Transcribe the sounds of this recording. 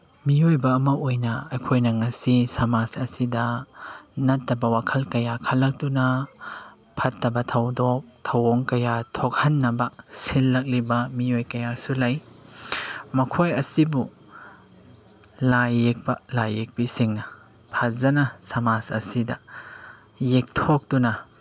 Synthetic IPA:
miojbɐːmɐojnɐɐjkʰojnɐŋɐsisɐmasɐsidɐ | nɐtːɐbɐwakʰɐlkɐjakʰɐlːɐk̚tunɐ | pʰɐtːɐbɐtʰɐwdok̚tʰɐwoŋkɐjatʰok̚hɐnːɐbɐsilːɐk̚libɐmiojkɐjasulɐj | mɐkʰojɐsibu | lajːek̚pɐlajːek̚bisiŋnɐ | pʰazɐnɐsɐmasɐ̰sidɐ | jek̚tʰok̚tunɐ

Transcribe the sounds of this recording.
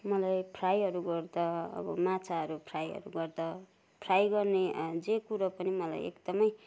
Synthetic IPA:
mʌlajpʰrajɦʌɾuɡʌrd̪ʌʌ̰bʌ̰mat͡sʰaɦʌɾupʰrajɦʌ̰ɾuɡʌrd̪ʌ | pʰrajɡʌrned͡zekuɾʌpʌnimʌla̰jḛkd̪ʌmʌj

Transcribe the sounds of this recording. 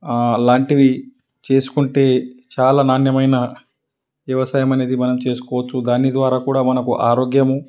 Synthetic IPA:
laːɳʈiʋi | t͡ʃe̞ːsu̥kuɳʈe̞ːt͡ʃaːlaːnaːnjɐmɐjnɐ | ʋjɐʋɐsaːjɐmɐne̞ːd̪imɐnɐmt͡ʃe̞ːsu̥kɔːʋɐt͡ʃːud̪aːnːid̪ʋaːɾaːkuːɽaːmɐnɐkuʔaːɾo̞ːɡjɐmu

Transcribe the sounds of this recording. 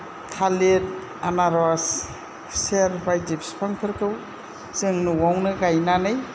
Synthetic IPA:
kʰalet̚ | anaɾɔsʰ | seɾwajdipspʰaŋkʰɯɾkʰɯw | z̥ɯŋnuwawnɯɡajnanɯj

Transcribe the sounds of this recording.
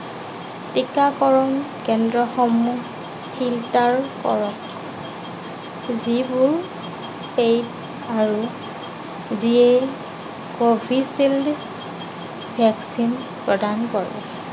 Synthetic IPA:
tikakɔɹɔnkɛndɹɔxɔmu | hiltaɹkɔ̰ɹɔk | zibʊɹ | pejd | aɹu | zie | kobʱisild | bʱaksin | pɹɔdankɔɹɛ̰

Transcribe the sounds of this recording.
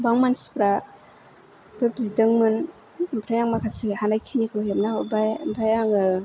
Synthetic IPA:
baŋmansi̥pɾa | bepzidɯŋmɯn | pʰɾajaŋmakʰasihanajkʰinikʰlojemnaɔbajmbʰajaŋɯ

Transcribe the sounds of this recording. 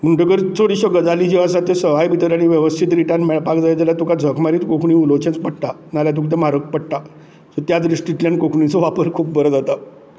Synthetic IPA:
m̤əɳʈəkəɾt͡s̪ʰoɽiɕɔɡəd͡zalid͡ʑiʋas̬at̪jesəʋ̤ajbʱit̪əɾaɽ̃iʋjəʋəst̪ʰit̪ɾiʈanmɛɭpakd͡zajad͡zaljat̪ukad͡zʱəkʰmaɾiːt̪kokʰɳĩulot͡ɕẽnt͡spəɽʈ̪a | naljat̪̬ũkt̪emaɾək̚pəɽʈ̪a | sɔt̪jat͡s̪ɾisʈit̪ljaɳkokʰɳit͡sɔʋapəɾkʰuːp̚bəɾəd͡zat̪a

